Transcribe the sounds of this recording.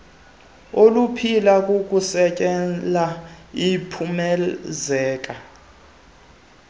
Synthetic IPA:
olupʰilakʼukʼusɛkʼɛlaipʰumɛzɛːk̬ʼa

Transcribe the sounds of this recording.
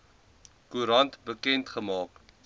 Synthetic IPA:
kuɾɐntbəkɛntχəmɑːk

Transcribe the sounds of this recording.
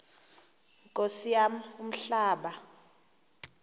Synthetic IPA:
ŋkʼosijamum̩ɬaːɓa

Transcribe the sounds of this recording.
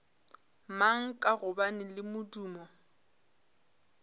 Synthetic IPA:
maŋ̩kʼaɣʊbanɪlɪmʊduːmɔ

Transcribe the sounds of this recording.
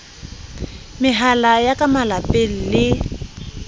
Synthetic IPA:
mɪɦalajakamalapelilɪ

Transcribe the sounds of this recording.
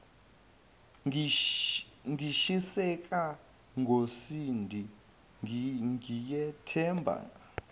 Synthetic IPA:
ŋʱiʃisɛkʼa | ŋɡʱosindʱi | ŋijɛtʰɛmbʱa̰ŋa

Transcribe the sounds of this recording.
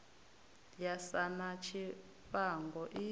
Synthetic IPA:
jasanat͡ʃʰi | ɸaŋɡɔʔi

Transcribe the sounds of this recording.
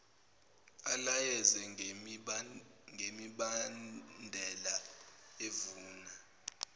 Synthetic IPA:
alajɛzɛ | ŋɡʱemiɓanndʱɛlaevuːna

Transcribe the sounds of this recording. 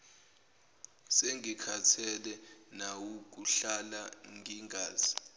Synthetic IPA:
seŋʱikʰatʰɛlɛnawuk̬ʼuɬalaŋʱiŋʱaːz̥i

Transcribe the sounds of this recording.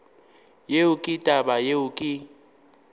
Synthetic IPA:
jeukʼitʼaɓajeukʼi

